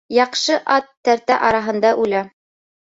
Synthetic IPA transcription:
jɑqʃɤʔɑt̪ːæɾt̪æʔɑɾɑɦɤ̆nd̪ɑʔʉlæ

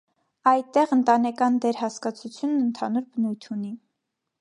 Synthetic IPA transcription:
ɑjt̪ːɛʁənt̪ɑnɛkɑnd̪ɛɾhɑskɑt͡sʰut͡sʰjunːənt̪ʰɑnuɾbənujt̪ʰuni

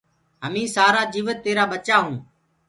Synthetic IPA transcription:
ɦəmĩːsaːɾaːd͡ʒiːʋət̪ːeːɾaːɓət͡ʃaːɦũː

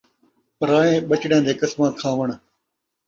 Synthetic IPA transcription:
pəɾaːẽːɓət͡ʃɽjãːd̪eːkɪsmãːkʰãːʋəɳ

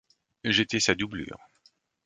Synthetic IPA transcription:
ʒet̪ɛsad̪ubly̰ːʁ

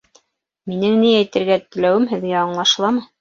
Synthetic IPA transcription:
minɘŋniæjt̪ɘ̆ɾɡæt̪ɘ̆læwɘmɦɘ̆ðɡæɑɴlˠɑʃlˠɑmɤ

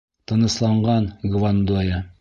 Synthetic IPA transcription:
t̪ɤ̆nɤ̆slˠɑɴɢɑnɡvand̪ojɑ

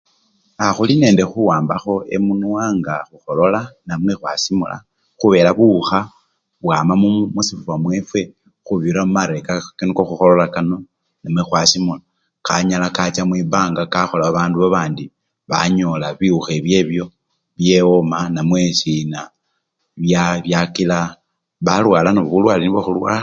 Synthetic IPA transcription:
axuline̞ːnde̞xuwaːmbaxo̞e̞̰munuwaːŋɡaxuxo̞lo̞lanamwe̞xwa̰simṵla̰ | xuβe̞ːlaβuxa | βwaːmamumusifuwamwe̞fwe̞ | xuβiɾamumaɾe̞kakinokoxuxo̞lo̞lakano̞ | namwexwasimula | kaɲalakat͡ʃamwibaːŋɡakaxo̞laβaβaːnduβaβaːndi | βa̰ɲolaβiuxe̞βje̞βjo̞ | βjeomanamwe̞sina | βjaβjakila | βalwaːlanoβuβulwaːliniβaxulwa̰

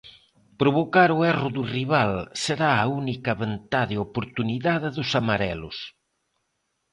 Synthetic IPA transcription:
pɾoβokaɾʊɛrʊðuriβalseɾaaunikɐβent̪aðɪopoɾt̪uniðaðɪðʊsamaɾɛlʊ̰s

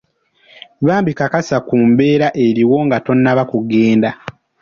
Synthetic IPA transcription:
βaːmbikakasakuːmbe̞ːɾaʔe̞ɾiwo̞ŋɡato̞nːaβakuɡe̞ːnda

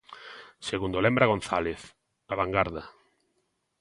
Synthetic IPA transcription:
seɣũnd̪olɛmbɾaɣ̞on̟θaleθ | aβaŋɡaɾða

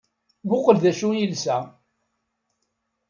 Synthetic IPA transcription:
bʊqəlðæʃujilsæ

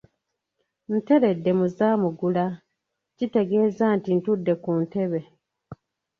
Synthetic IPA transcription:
n̩te̞ɾe̞dːe̞muzaːmuɡula | cite̞ɡe̞ːzaːntintudːe̞kunte̞βe̞

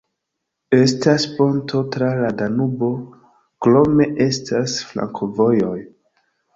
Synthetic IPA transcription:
e̞staspo̞ntʰo̞tɾaladanubo̞ | klo̞me̞ʔe̞stʰasfla̰ŋkʰovo̞jo̞j

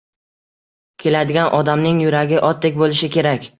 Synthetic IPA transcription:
kʲʰe̞lad̪ɪɡʲanʔɒd̪amnɪŋjʊɾaɡʲɪʔɒt̪̚ːekʲbolɪʃɪkʲʰe̞ɾakʲ

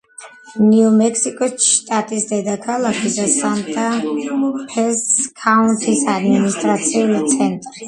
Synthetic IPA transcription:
niumɛkʰsikʼɔsʃt̪ʼat̪ʼisd̪ɛd̪akʰalˠakʰid̪asant̪ʼa | pʰɛskʰaunt̪ʰisad̪minist̪ʼɾat̪sʰiulit̪sʰɛnt̪ʼɾi

